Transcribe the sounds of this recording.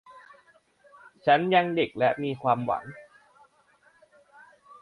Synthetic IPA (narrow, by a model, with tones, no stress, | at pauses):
t͡ɕʰa˦˥nja˧ŋde˨˩k̚lɛ˦˥ʔmiː˧kʰwaː˧mwa̰˩˦ŋ